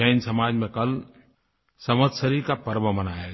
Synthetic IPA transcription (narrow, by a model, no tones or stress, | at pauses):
ɛɪnsɐmaːd͡ʒmẽkɐl | sɐməd̪səɾikapɐɾʋəmɐnaːja